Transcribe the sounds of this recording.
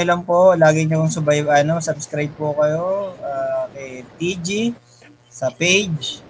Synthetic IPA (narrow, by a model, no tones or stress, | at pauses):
ʊlɐŋpoʔlaːɡɪɲʊpʊŋsʊbɐjɐnosɐbskɾajb̚pʊkɐjo̞ʔaːkɛjt̪id͡ʒi | sɐpejd͡ʒ